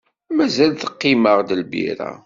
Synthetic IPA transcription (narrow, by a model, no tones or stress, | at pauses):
mæzælθə̥qːiməʁd̪əlbḭɾæ̰